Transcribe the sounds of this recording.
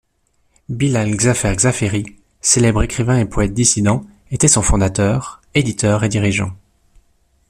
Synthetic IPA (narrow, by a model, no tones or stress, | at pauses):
bilalɡzafɛʁɡzafeʁi | selɛbʁekχivɛ̃epʰɔɛt̪̚d̪isid̪ɑ̃ | et̪ɛsɔ̃fɔ̃d̪at̪œːʁed̪it̪ʰœʁed̪iʁiʒɑ̰̃